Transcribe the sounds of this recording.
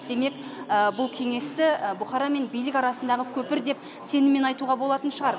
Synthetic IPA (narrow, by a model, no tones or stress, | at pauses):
d̪̥e̞me̞kəbʊlˠkʲʰe̞ŋe̞st̪ɪbʊχɑɾɑme̞nbijlɪkʲɑɾɑsənd̪ɑʁəkʲʰɵpɪɾd̪e̞p | se̞nɪmːe̞nɑjt̪uʁɑbo̞lˠɑt̪ənʃəʁɑɾ